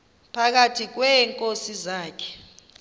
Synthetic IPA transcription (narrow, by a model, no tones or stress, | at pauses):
pʰak̬atʰik̬wɛŋkʼosizaːkʰɛ̥